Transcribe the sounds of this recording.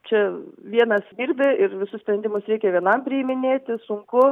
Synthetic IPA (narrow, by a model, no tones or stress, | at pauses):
t͡ʃʲɛʋʲiɛnɐsd̪ʲiːɾʲbʲɪɪrʋʲɪsʊssʲpʲɾʲɛnd̪ʲɪmʊsɾʲɛɪkʲɛʋʲiɛnɐmpʲɾʲɪimʲɪnʲeːt̪ʲɪsʊŋkʊ